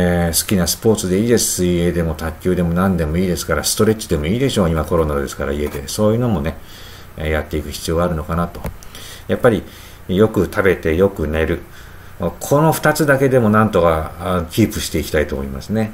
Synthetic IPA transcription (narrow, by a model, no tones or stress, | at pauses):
sɨ̥kʲinasɨ̥po̞ːt͡sɨd̪e̞iːd̪e̞sɨ̥sɨie̞d̪e̞mo̞t̪akʲːɨːd̪e̞mo̞nãnd̪e̞mo̞iːd̪e̞sɨ̥kaɾasɨ̥t̪o̞ɾe̞t͡ɕi̥d̪e̞mo̞iːd̪e̞ɕo̞ːimako̞ɾo̞nad̪e̞sɨ̥kaɾa̰ie̞d̪e̞so̞ːjɯ̟no̞mo̞ne̞ | jat̪ːe̞ikɯ̟çʲi̥t͡sɨijo̞ːɡaɾɯ̟no̞kanat̪o̞ | japːaɾʲi | jo̞kɯ̟t̪ʰabe̞t̪e̞jo̞kɯ̟ne̞ɾɯ̟ | kʰo̞no̞ɸɯ̟̥t̪at͡sɨd̪ake̞d̪e̞mo̞nãnt̪o̞kakʲiːpɯ̟ɕi̥t̪e̞ikʲi̥t̪ait̪o̞moimasɨne̞